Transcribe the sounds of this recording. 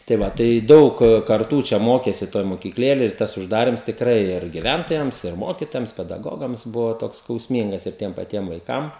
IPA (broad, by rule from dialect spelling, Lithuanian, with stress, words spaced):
tɐɪ ˈʋɐ tɐɪ ˈdɐʊk kɐrˈtuː ˈt͡ʃʲɛ ˈmoːkʲeːsʲɪ ˈtoːj moːkʲiːkˈlʲeːlʲeːj ɪr ˈtɐs ʊʒˈdɑːrʲɪms tʲɪkˈrɐɪ ɪr ɡʲɪˈʋʲæntoːjɛms ɪr ˈmoːkʲɪtoːjɛms pʲɛdɐˈɡoːɡɐms ˈbʊʋɐ ˈtoːks skɐʊsʲˈmʲiːŋɡɐs ɪr ˈtʲiɛm pɐˈtʲiɛm ʋɐɪˈkɐm